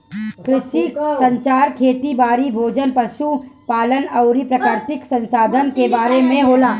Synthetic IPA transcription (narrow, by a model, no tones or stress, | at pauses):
kɾɪʃisɐ̃ɲt͡ʃaːɾkʰeːt̪ibaːɾibʱoːd͡ʒənpɾəʃupaːlənɐʊɾipɾɐkaːɾt̪ɪksɐ̃nsaːd̪ʱənkebaːɾemẽɦoːlaː